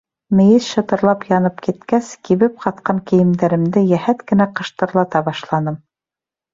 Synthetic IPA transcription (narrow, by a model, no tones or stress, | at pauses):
mɘ̆jɘsʃɤ̆t̪ɤ̆ɾlˠɑpjɑnɤpkit̪kæskiβɘp̚qʰɑt̪̚qɑŋkɘ̆jɘ̆md̪æɾɘ̆md̪ɘjæhæt̪kɘ̆næqɤ̆ʃt̪ɤ̆ɾlˠɑt̪ɑbɑʃlˠɑnɤm